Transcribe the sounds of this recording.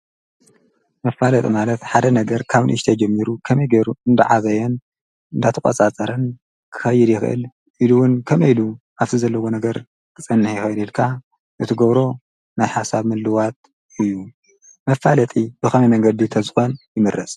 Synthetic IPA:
mɐfalɐt̪ʼimalɐt̪ħad̪ɐnɐɡɐɾkʰaβɨnʔɨʃt̪ʰɐd͡ʒɛmːiɾukʰɐmɐjɡeɾuɨnd̪ɐʕazɐjɛn | ɨnd̪at̪ʰɨkʼɐ̰t͡sʼat͡sʼɐɾɐn | kʰɨ̥xɐjːɪd̪jɪxɨʔɨ̰l | ʔiluwʊnkʰɐmɐjlu | ʔaβt̪izɐlːɐwonɐɡɐɾ | kʰɨt͡sʼɨnːɨħjɪxɐjd̪ilkʰa | ʔɨt̪ʰɨɡɐβɾo̞ | najħasaβmɨlːɨwat̪̚ | ɨjːu | mɐfalɐt̪ʼibɨxɐmɐmɐŋɡɐd̪it̪ʰɐzɨxo̞njɪmɨɾːɐsʼ

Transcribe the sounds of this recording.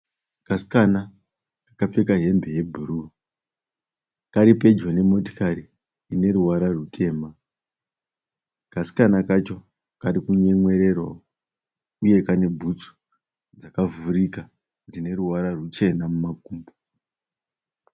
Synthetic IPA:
kasi̥kana | kḁkap͡fe̞kaɦe̞mbe̞je̞bʱuɾu | kaɾipe̞d͡ʒone̞mo̞ti̥kaɾiː | ne̞ɾuwaɾarutʰe̞ːma | kasi̥kanakat͡ʃo̞ | kaɾikuɲe̞ŋwe̞ɾe̞rwa̰ | uje̞kane̞bʱut͡su̥ | d͡zakavuɾika | d͡zine̞ɾuwaɾarut͡ʃe̞namumak̚uːmbo

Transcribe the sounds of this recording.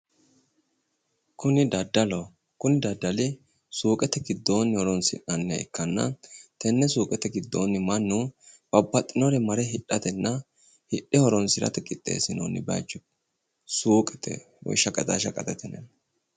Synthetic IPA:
kʊnɪd̪ɐd̪ːɐlo | kʊnɪd̪ɐd̪ːɐlɪ | suːkʼɛt̪ɛɡɪd̪ːo̞ːnːɪhɔɾɔnsɪ̰ʔɐnːɪɐɪ̰kʰːɐnːɐ̰t̪ɛnːɛsuːkʼɛt̪ɛɡɪd̪ːo̰ːnːɪmɐnːub̥ɐbːɐt̪ʼːɪnɔɾɛmɐɾɛɦɪɗːɐt̪ɛnːɐ | hɪɗɪhɔɾɔnsɪɾɐ̰t̪ɛkʼɪt̪ʼːḛːsɪno̰nːɪ̰bɐ̰d͡ʒʊ | suːkʼɛt̪ʰɛ̰ | wɔ̰jʃːɐkʼɐt̪ʼa̰ːʃɐkʼɐt̪ɛt̪ɛnɛ̰n

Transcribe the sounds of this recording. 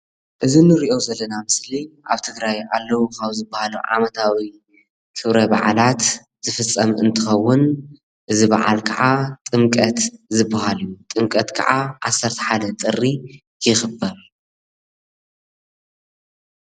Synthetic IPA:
ʔɨzinɨɾiʔo̞zɐlːɐnamɨsliʔa̰βt̪ʰɨɡɾajalːɐwukawzɨbːahalṵʕa̰mɐt̪ʰawi | kʰɨβɾɐba̰ʕalat̪ | z̥ɨfɨt͡sʼːɐmɨnt̪ʰɨxɐwːʊn | ʔɨziba̰ʕa̰lkʰɐʕat̪ʼɨmkʼɐt̪zɨbːahaljut̪ʼɨmkʼɐt̪kʰa̰ʕaʔasːɐɾt̪ʰɐ̥ħad̪ɐt̪ʼɨrːi | jɪxbɐɾ

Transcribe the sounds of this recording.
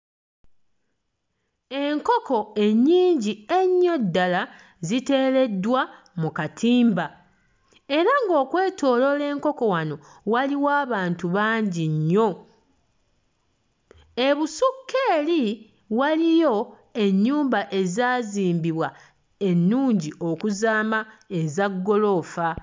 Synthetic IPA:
e̞ŋko̞ko̞e̞ɲːiːɲɟie̞ɲːo̞dːala | zite̞ːɾe̞dwa | mukatʰiːmba | e̞ɾaŋɡo̞ːkwe̞ːtʰo̞ːlo̞le̞ːŋko̞ko̞wano̞ | waliwaːβaːntuβaːɲɟiɲːo̞ | e̞βusukʰːe̞ːli | walijo̞ | e̞ɲːuːmbaʔe̞zaːziːmbiβwa | e̞nːuːɲɟiʔo̞kuzaːmae̞zaɡːo̞lo̞fa

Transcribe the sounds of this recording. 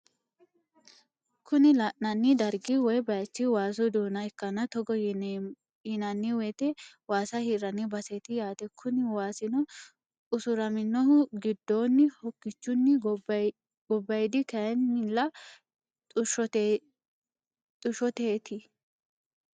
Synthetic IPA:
kʰʊnɪlaʔnɐnːɪd̪ɐɾɡɪwɔjbɐjɐt͡ʃːɪwaːs̬ɔd̪uːnɐɛkːɐnɐt̪ɔɡɔ | jɪnɐnːɪwɛt̪ɛwaːsɐhɪɾɐnːɪbɐset̪ɪjaːt̪ɛkʰʊnɪwaːsɪnɔ | ʊsʊɾɐmɪnːɔhʊɡɪd̪ːoːnːɪhɔkːɪt͡ʃːʊnːɪ | ɡ̥ɔbːɐjd̪ɪkɐjɛnːɪlːɐ | t̪ʼʊʃɔ | t̪ʼʊʃɔt̪eːt̪ɪ

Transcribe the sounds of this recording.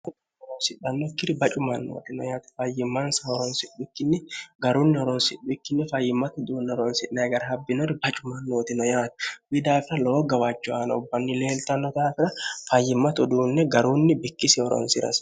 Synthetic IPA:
ʊn | ɔɾɔnsɪᶑɐnːɔɪkːɪɾɪbɐt͡ʃʼʊmɐnːo̰ːt̪ɪnɔ̰jaːt̪ɐ̥fɐjɪmːɐnsɐɔɾɔnsɪɗʊɪkːɪnːɛɡɐɾuːnːɪɔɾɔnsɪᶑːʊɪkːɪnːɛfɐjːɪmːɐt̪ɔd̪uːnːɛɔɾɔnsɪʔnɐjɡɐɾɐɦɐbːɪnɔɾɪbɐt͡ʃʼʊmɐnːoːt̪ɪnɔjaːt̪ɐ̥wɪd̪aːfɪɾɐloːɡɐwat͡ʃːʊaːnɐʊbːɐnːɪle̞ːlt̪ɐnːɔt̪aːfɪɾɐfɐjːɪmːɐt̪ɔd̪uːnːɛɡɐɾuːnːɪbɪkːɪsɪɔɾɔ̰nsɪɾɐ̰s

